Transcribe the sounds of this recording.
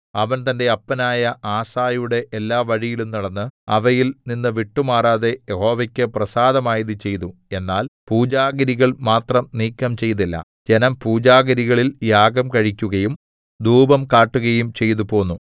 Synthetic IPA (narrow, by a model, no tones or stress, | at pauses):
ɐʋɐnt̪ɐnde̞ɐpːɐnaːjɐʔaːsaːjuɽe̞ʔelːaːʋɐɻijilumniɐɽɐnːɨɐ̰ʋɐjilninːɨʋiʈːumaːraːðe̞jeho̞ːʋɐkʲːɨprɐsaːd̪ɐmaːjiðɨt͡ɕe̞jt̪ue̞nːaːlpuːd͡ʑaːɡɐɾiɣɐɭmaːt̪rɐmniːkːɐmt͡ɕe̞jt̪ilːɐ̰ | d͡ʑe̞nɐmpuːd͡ʑaːɣɐɾiɣɐɭiljaːɡɐmkɐɻikʲːuɣɐjum | d̪uːbɐmkaːʈːuɣɐjumt͡ɕe̞jt̪upo̞ːnːu